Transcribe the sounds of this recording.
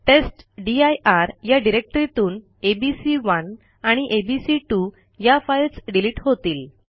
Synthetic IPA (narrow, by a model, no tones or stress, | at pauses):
ʈesʈɖiajʔaɾjaɖiɾek̚ʈəɾit̪uːn | ebisiʋən | aɽ̃iʔebisiʈu | jafajlsɖiliːʈɦot̪iːl